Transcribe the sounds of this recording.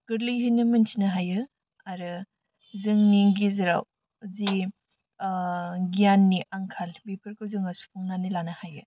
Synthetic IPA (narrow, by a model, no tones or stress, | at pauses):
ɡ̥ɯɾlɯjɦɯjnɯmɐnsʰinɐɦajɯ | aɾɯ | zɯŋniŋɡizɐɾa̰w | zi | ɡijanːiʔaŋkʰalbepʰɐɾkɯwzɯŋɐsu̥pʰuŋnanilanɐhajɯ